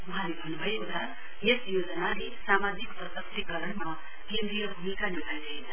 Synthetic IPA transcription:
mɦanibʱɐnbʱɐjud̪ʰʱa | jesjoːd͡ʒənaɾisaːmaːd͡ʒikpɾɐt̪ɐkt̪ikɐɾəɳmɐ | kẽːnd̪ɾijɐbʱumikanilad͡ʒai

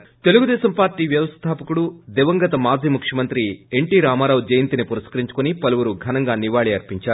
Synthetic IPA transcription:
t̪e̞luɡud̪ɛːʃɐmpaːɾʈiːʋjɐʋɐst̪ʰaːpɐkuɽud̪ɛʋɐŋɡɐt̪ɐmaːd͡ʒʱiːmukʂjɐmɐnt̪ɾieɳʈiːɾaːmaːɾaːwd͡ʒɐjɐnt̪inipuɾɐskɐɾiɲt͡ʃu̥kunipɐluʋuɾuɡʱɐnɐŋɡaːniʋaːɭiɐɾpiɲt͡ʃaːɾ

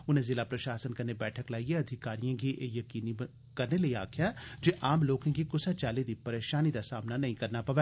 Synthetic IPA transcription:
ʊnɦẽzɪlapɾɐʃaːsənkɐɾnebɛːʈʰəklaːieɐd̪ʱɪkaːɾijãkiʔejɐkiːni | kɐɾneleiaːkʰjad͡ʒeʔaːmloːkẽkikʊsat͡ʃaːlid̪ipɐɾeːʃaːnid̪asaːmnanɐɦĩkɐɾnapɐʋɛː

